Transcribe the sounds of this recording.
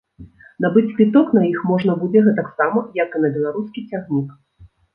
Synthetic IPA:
nabɨt͡sʲpʲit̪ɔknɐjixmɔʐnɐbud͡zʲɛɣɛt̪aksamɐjɐkɨnɐbʲɛlˠaɾuskʲit͡sʲaɣnʲik

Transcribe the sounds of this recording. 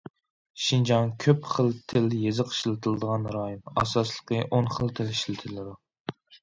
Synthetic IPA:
ʃind͡ʒɑŋkʲʰøpχəlˠt̪ʰɪljezɨqʰə̥ʃlˠɨt̪ʰɨlˠɨd̪əʁɑnɾɑjunɑ̰sɑslˠəqəʔonχəlˠt̪ʰɪliʃlɪt̪ʰɨlːɨd̪u

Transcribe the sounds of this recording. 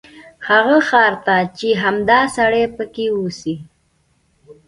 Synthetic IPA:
haɣəxɑɾt̪at͡ʃeɦamd̪ɑsaɽepəkeusi

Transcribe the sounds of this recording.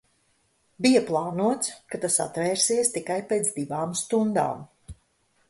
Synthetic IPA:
bijaplˠaːnuɔt̪skat̪asa̰t̪vɛːɾsiɛst̪ikajpeːt̪zd̪ivaːmst̪und̪a̰ːm

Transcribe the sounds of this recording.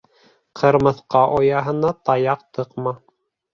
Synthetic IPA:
qʰɤ̆ɾmɤ̆θqɑʔojɑɦɤ̆nɑt̪ɑjɑq̚t̪ɤqmɑ

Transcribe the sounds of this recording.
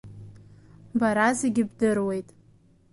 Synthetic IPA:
baɾazeɡʲɪbdɨrwe̞jtʼ

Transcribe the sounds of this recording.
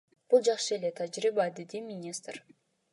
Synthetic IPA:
b̥ulˠd͡ʒɑqʃɯe̞le̞t̪ʰad͡ʒɾibaːd̪id̪imʲinʲist̪r

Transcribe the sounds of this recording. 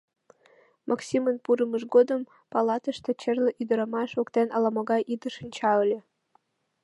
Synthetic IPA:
mʔɑksʲimənpuɾəməʃɡod̪əm | pɑlˠɑt̪əʃt̪ɤ̆t͡ɕerlʲĕʔyd̪ə̆ɾɑmɑʃokt̪enʔɑlɑmɑɣɑjʔid̪əʃə̆nʲt͡ɕɑəlʲĕ

